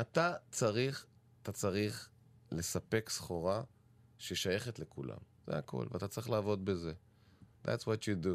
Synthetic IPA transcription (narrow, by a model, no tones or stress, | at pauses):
ʔat̪at͡saʁiχ | at̪at͡saʁiχ | le̞sape̞ksχo̞ʁa | ʃeʃaje̞χet̪le̞kula̰m | z̥ḛakʰo̞̰lvḛat̪at͡saʁiχlaːvo̞d̪̚beze̞ | ða̰tswot̪judu